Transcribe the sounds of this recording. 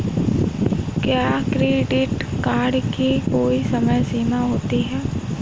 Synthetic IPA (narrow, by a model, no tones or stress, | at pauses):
kjaːkɾeːɖɪʈkaːɾɖkikoːisɐməjseːmaɦoːt̪iɦɛː